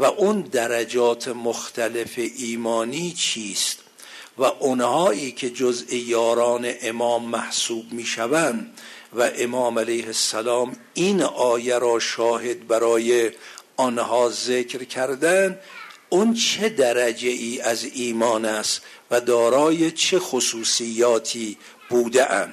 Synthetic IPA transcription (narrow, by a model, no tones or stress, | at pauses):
væʔund̪æɾæd͡ʒɒːt̪ʰemoxt̪ʰæle̞feʔiːmɒːniːt͡ʃʰiːst̪ | væʔonhɒːʔiːkʰe̞d͡ʒozʔejɒːɾɒːneʔemɒːmːæhsuːbmiːʃævænd̪væʔemɒːmælejhesːælɒːm | inʔɒːjeɾɒːʃɒːhe̞d̪̚bæɾɒːjeɔnhɒːzekɾkʰæɾd̪æn | unt͡ʃʰe̞d̪æɾæd͡ʒeʔiːæziːmɒːnæst̪ | væd̪ɒːɾɒːje̞t͡ʃʰexosuːsijːɒːt̪ʰiː | b̥uːd̪eʔæ̰nd̪̥